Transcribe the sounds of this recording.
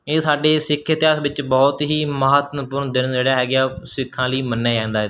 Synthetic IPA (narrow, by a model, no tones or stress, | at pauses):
eːsaːɖeːsɪkʰːət̪ɪjaːsʋɪt͡ʃbɔːt̪ɦiːməɦət̪npʊɾnd̪ɪnd͡ʒeːɽaːɦɛːɡjaːsɪkʰːãːliːmənːaːɛ̃ːnd̪aːɦ